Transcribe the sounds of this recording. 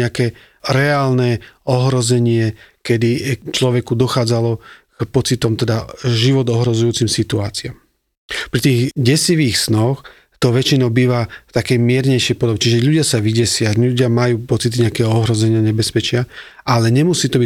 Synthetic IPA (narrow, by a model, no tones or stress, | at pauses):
ɲɛakɛ | ɾɛaːlnɛɔɦɾɔzɛɲɪɛkɛd̪it͡ʃlɔʋɛkud̪ɔxaːd͡zalɔkpɔt͡sit̪ɔmt̪ɛd̪aʒiʋɔd̪ɔɦɾɔzujuːt͡simsit̪ua̰ːt͡siɪam | pɾit̪iːɣɟɛsiʋiːxsnɔx | t̪ɔʋɛt͡ʃinɔʊbiːʋaft̪akɛjmɪɛɾɲɛjʃɪɛjpɔd̪ɔbɛt͡ʃiʒɛʎuɟɪasaʋiɟɛsɪauɟɪamajuːpɔt͡sit̪iɲɛakɛːɦɔɔɦɾɔzɛɲɪaɲɛbɛspɛt͡ʃɪa | ʔalɛɲɛmusiːt̪ɔbi